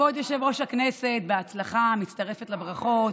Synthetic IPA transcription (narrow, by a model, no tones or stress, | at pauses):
od̪joʃevo̞ʃhakneset̪̚beat͡slaχamitt͡st̪aʁe̞fetlabʁaχo̞t